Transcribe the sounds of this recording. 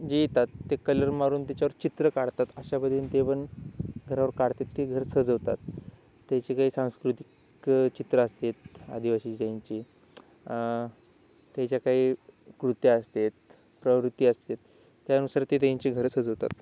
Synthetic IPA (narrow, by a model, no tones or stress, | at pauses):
d͡ʑejt̪at̪ːekələɾmaɾuːnt̪at͡ɕjaʋəɾt͡ɕit̪ɾəkaɽt̪at̪əɕabəd̪ʱiːnt̪epəɳɡʱəɾaʋəɾkaɽt̪et̪ːeɡʱəɾsəd͡zəʋt̪a̰t̪ː | jat͡ɕikaɦiːsãw̃skɾut̪i̥k | t͡ɕit̪ɾəːst̪et̪a̰d̪ʱiʋaɕiːaɲt͡ɕi | t̪jat͡ɕjakaɦiːkɾut̪jiəst̪et̪̚ | pɾəʋɾut̪iːəst̪et̪ː | janusaɾt̪et̪ãɲt͡ɕiɡʱəɾsəd͡zəʋt̪a̰t̪